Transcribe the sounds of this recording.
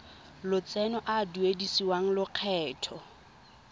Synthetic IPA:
lʊt͡sɛnɔʔaduedisiwaŋ̩lʊq͡χʰɛːtʰɔ

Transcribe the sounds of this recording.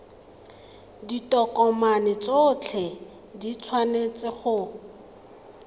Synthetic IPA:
ditʼɔkʼɔmanɪt͡sot͡ɬʰɛ | dit͡sʰwanet͡sɪχʊ

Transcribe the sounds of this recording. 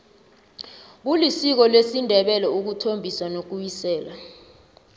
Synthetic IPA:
ɓ̬ulisik̬ɔlwesindʱɛɓɛlɛuk̬utʰombʱiswanok̬ujisɛːla

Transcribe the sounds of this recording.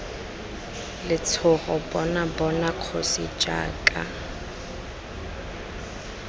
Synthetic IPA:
lɪt͡sʰʊχɔbɔnabɔnaq͡χʰosit͡ʃʼa̰ːkʼa

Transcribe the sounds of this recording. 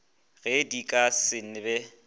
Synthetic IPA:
ɣedikʼasɪn̩ɪbɛ

